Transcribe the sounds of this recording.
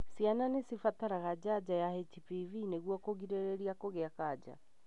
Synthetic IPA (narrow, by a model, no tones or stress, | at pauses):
siananesifat̪aɾaɣad͡ʒad͡ʒajahɛt͡ʃipivineɣuɔkoɣiɾeɾeɾiakoɣeakad͡ʒa̰